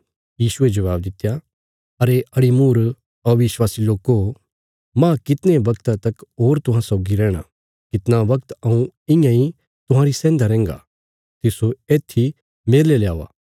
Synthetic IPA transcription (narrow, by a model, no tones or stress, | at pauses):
jiːsʊed͡ʒɐʋaːb̚d̪ɪt̪ːja | ɐɾeɐɽimuːɾ | ɐʋɪʃwaːsiloːko | mãkɪt̪neʋɐkt̪at̪ɐkɦoːɾt̪ʊɦãsɔːɡiɾɛ̃ːɽ̃a̰ | kɪt̪naʋɐkt̪ɐũɪ̃jãi | t̪ʊɦãːɾisɛ̃ːnd̪aɾɛ̃ːŋɡa̰ | t̪ɪsoeːt̪ʰːi | meːɾleljaːʋa̰ː